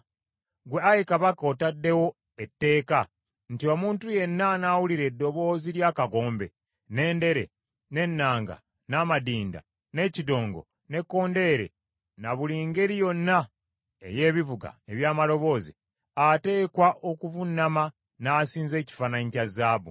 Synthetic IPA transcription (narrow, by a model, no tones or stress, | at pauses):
ɡwe̞ajikaβakao̞tadːe̞wo̞ | etːe̞ːka | n̩tio̞ːmuːntuje̞nːanaːwuliɾe̞dːo̞βo̞ːziɾjaːkaɡo̞ːmbe̞̰ | ne̞ːnde̞ɾe̞̰ | ne̞nːaːŋɡa̰ | namadiːnda̰ | ne̞cido̞ːŋɡo̞̰ | ne̞kːo̞ːnde̞ɾe̞̰ | naβuliŋɡe̞ɾijo̞nːa | e̞̰je̞ːβivuɡa̰e̞βjaːmalo̞βo̞ːzḭ | ate̞ːkwaʔo̞kuvunːama | naːsiːnze̞ːci̥fanaɲicazaːβṵ